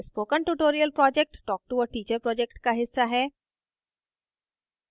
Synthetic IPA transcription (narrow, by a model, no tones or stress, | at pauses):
spoːkə̃nʈuʈoːɾiəlpɾɔːd͡ʒɛk̚ʈːɔːk̚ʈuəʈiːt͡ʃəɾpɾɔːd͡ʒek̚ʈkaɦɪsːaɦɛː